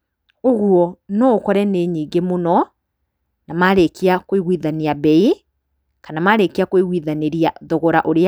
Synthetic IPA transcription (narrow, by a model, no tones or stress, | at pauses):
oɣuɔnɔokɔɾɛneɲiːŋɡemonɔ | namaɾekeakoiɣwiðaniabɛi | kanamaɾekeakoiɣwiðaneɾiaðoɣoɾaʔoɾea